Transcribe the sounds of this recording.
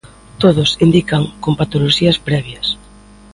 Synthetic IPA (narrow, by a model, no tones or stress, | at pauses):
t̪oð̞ʊsind̪ikɐŋkompat̪oloʃiɐspɾɛβjɐs